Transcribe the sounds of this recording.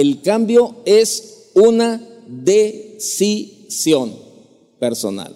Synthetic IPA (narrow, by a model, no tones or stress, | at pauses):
elkambjo̞es | una | ðesi | sjon | peɾso̞̰na̰l